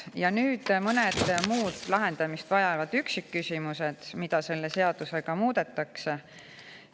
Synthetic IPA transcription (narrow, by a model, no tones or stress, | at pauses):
jɑnyːd̪̥mɤned̪̥muːd̪̥lɑɦe̞nd̪̥ɑmist̪vɑjɑvɑd̪̥yksikːysimuse̞d̪̥mid̪̥ɑse̞lːe̞se̞ɑd̪̥use̞ɡɑmuːd̪̥e̞t̪ːˑɑkse